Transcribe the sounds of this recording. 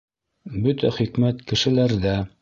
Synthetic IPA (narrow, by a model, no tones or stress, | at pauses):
bɵt̪æχikmæt̪kɘ̆ʃɘ̆læɾðæ